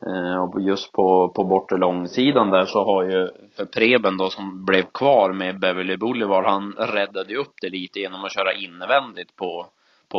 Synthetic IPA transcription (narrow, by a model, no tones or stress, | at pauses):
ɔjɵst̪pʰɔpʰɔbɔʈːəɭɔŋːsiːd̪and̪æʂɔɦaɾjɵfœɾpʰɾeːbənd̪ɔsɔmblɛvkʰvɑːɾmɛbɛvɪlɪbʊlːɪvɑːlhanɾɛd̪ːad̪əjɵɵpːd̪ɛliːt̪əjeːnːɔmɔɕœːɾaʔɪnːəvɛnd̪ɪt̪pʰɔ | pʰɔ